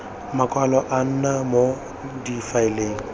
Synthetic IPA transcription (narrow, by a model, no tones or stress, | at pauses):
makʼwalɔʔan̩namo | difaɪleːŋ̩